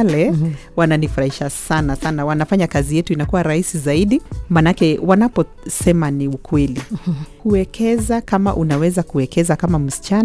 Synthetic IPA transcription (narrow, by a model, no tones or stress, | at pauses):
lɛ | wananifuɾahiʃasanasanawanafaɲakazijɛtuinakuwaɾahisizaiɗimanakɛwanapɔ | sɛmaniukwɛlikuɛkʰɛzakama̰ʔunawɛzakuɛkɛzakamam̩si̥t͡ʃan